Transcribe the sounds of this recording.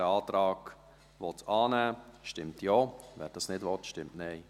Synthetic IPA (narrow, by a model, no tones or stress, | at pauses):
əɑːtɾɑːɡ̥ | ʋɔtɑːnæːʃtɪmtjoːʋɛ̰ːɾd̥ɑsnɪdʋɔtʃtɪmtnɛɪ